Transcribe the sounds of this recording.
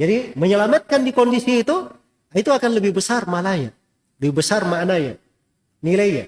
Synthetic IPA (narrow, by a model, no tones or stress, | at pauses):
d͡ʒadiməɲəlamat̪̚kandikɔndisiːt̪u | ait̪uakanləbɪhbəsarmalaja | ləbɪhbəsarmanaja | nilaija̰